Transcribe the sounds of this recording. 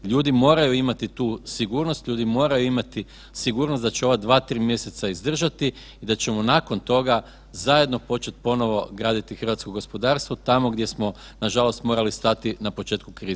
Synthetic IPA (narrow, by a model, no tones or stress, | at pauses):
ʎuːd̪imo̞ːɾajuimat̪it̪uːsiɡuːɾnost̪lʎuːd̪imo̞ːɾajuimat̪i | siɡuːɾnost̪d̪at͡ɕeo̞ʋad̪ʋaːt̪ɾiːmje̞se̞t̪saizd̪r̩ʒat̪i | id̪at͡ɕe̞monako̞nt̪o̞ɡa | zaje̞d̪no̞po̞t͡ʃe̞t̪̚po̞no̞ʋo̞ɡɾaːd̪it̪ixr̩ʋat̪sko̞ɡo̞spo̞d̪aːɾst̪ʋo̞t̪amo̞ɡd̪je̞smo̞ | naʒalo̞st̪mo̞ɾalist̪at̪inapo̞t͡ʃe̞ːt̪kukɾiːze